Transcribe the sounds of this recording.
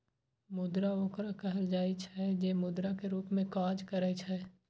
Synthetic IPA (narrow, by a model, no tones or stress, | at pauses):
mʊd̪ɾaoːkɾakɐɦəld͡ʒaːit͡ʃʰɛd͡ʒeːmʊd̪ɾakeɾuːpmẽkaːd͡ʒkɐɾɛt͡ʃʰɛː